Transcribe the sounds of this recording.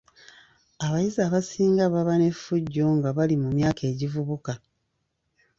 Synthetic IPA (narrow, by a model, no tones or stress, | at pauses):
aβajizaːβasiːŋɡaβaβane̞fuɟːo̞ŋɡaβalimumjaːke̞ːɟivuβuka